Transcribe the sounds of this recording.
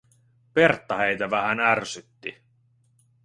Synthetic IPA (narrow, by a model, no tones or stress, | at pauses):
pe̞rt̪ːɑhejt̪æʋæhænærsyt̪ːi